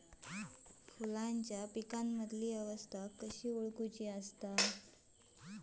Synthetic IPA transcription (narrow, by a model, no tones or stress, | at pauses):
fulaɲt͡ɕjapikamːəd̪ʱliːəʋəst̪ʰakəɕiːuɭkut͡ɕiːəst̪a